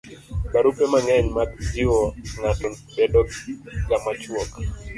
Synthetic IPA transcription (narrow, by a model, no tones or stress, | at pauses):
baɾupemaŋɛɲmakd͡ʒiwɔŋatɔ | bɛdɔɡamat͡ʃwɔk